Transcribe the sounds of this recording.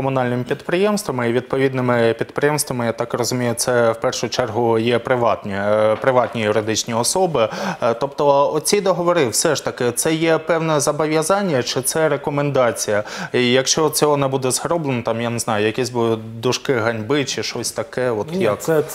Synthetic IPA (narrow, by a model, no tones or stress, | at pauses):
kɔmʊnɑlʲnɪmɪpʲid̪pɾɪjɛmst̪ʋɐmɪiʋʲid̪̚pɔʋʲid̪nɪmɪpʲid̪̚pɾɪjɛmst̪ʋɐmɪjat̪ɑkrɔzʊmʲijʊt̪sɛwpɛrʃʊt͡ʃɛrɦʊjɛpɾɪʋɑt̪nʲɛpɾɪʋɑt̪ʲnʲijʊɾɪd̪ɪt͡ʃnʲiɔsɔbɪt̪ɔpt̪ɔɔt͡sʲid̪ɐɦɔʋɔɾɪwsɛʃt̪ɐkɪt̪sɛjɛpɛwnɛzɐbɔʋʲjɐzɑnʲːɐt͡ʃɪt̪sɛɾekɔmend̪ɑt͡sʲijɐijɐkʃt͡ʃɔtt͡sʲɔɦɔnɛbud̪ɛzɦɾɔblˠɪnɔt̪ɑmjaneznɑjʊjɐkʲɛsʲbʊ | d̪ʊʃkɪɦɐnʲbɪt͡ʃɪʃɔsʲt̪ɐkɛɔt̪jɐkɛ